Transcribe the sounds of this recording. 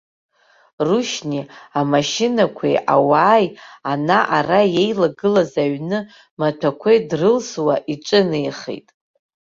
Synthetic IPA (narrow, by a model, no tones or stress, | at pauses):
ruʃniamaʃɪnakʷʰḛʔawaːjanaʔaraje̞jlaɡɨlazaɥnɨ | matʷʰakʷʰejdrɨlswaʔiʈ͡ʂʼɨnɨjχḛjtʼ